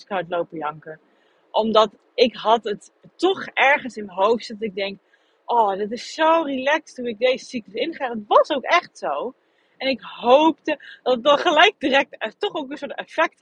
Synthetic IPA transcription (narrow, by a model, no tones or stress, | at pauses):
skatlowpəjɑŋkəɹ | ʔɔmdɑt | ɪkɦɑtət | tɔχɛɹχənsɪməɦowftsɛdɔtɪɡ̚dɛŋk | ʔɔːdɪtɪsːowrilɛkstunɪɡ̚dejzəsikləsɪnχaːdətʋɑsowkɛχtsow | ɛnɪkɦowp̚təd̥ɑtət̚dɑtχəlɛjk̚dirɛk̚tɛtɔχowkənsʊɹtɛfɛk̚t